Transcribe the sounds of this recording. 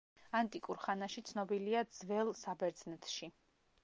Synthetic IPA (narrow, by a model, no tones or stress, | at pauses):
ant̪ʼikʼuɾχanaʃit̪sʰnɔbiliad̪z̥vɛlˠsabɛɾd̪znɛt̪ʰʃi